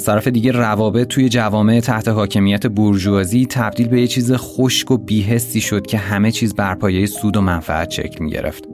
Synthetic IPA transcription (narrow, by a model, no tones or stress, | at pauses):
æst̪ʰæɾæfe̞d̪iːɟærævɒːbe̞t̪̚ʰːuːje̞d͡ʒævɒːme̞ʔet̪ʰæht̪ʰe̞ɦɒːcʰe̞mijæt̪ʰe̞boɾd͡ʒuɒːziːt̪ʰæb̚d̪iːlbe̞jet͡ʃʰiːzexo̞ʃko̞biːɦe̞sːiːʃo̞d̪̥̚cʰe̞ɦæme̞t͡ʃʰiːzbæɾpʰɒːje̞jesuːd̪o̞mænfæ̰æt̪ʃḛclmḭɟḛɾḛft̪